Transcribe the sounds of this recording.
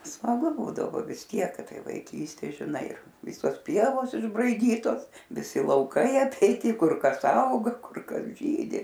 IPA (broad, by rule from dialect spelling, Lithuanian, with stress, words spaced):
smɐˈɡʊ ˈbuːdɐʋoː ʋʲɪs ˈtʲiɛk kɐt ˈtɐɪ ʋɐɪˈkʲiːsʲtʲeː ʒʲɪˈnɐɪ ˈʋʲɪsoːs ˈpʲiɛʋoːs ɪʒbrɐɪˈdʲiːtoːs ʋʲɪˈsʲɪ lˠɐʊˈkɐɪ ɐpʲɛɪˈtʲɪ ˈkʊr ˈkɐs ˈɐʊɡɐ ˈkʊr ˈkɐs ˈʒʲiːdʲɪ